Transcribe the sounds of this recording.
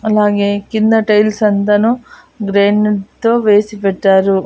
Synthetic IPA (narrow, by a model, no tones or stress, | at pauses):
ɐlːaːɡeːkind̪ɐʈɐjlsɐnt̪ɐnu | ɡɾeːɳɖt̪ːoʋeːsipɛʈːaːɾu